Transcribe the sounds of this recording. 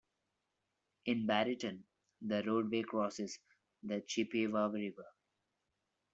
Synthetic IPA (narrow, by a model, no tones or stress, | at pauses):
ɪ̃nbæɾɪʈə̃n | d̪əɾoːɖʋeːkɾɔːsɪz | d̪ət͡ʃipiʋaːʋɾiʋə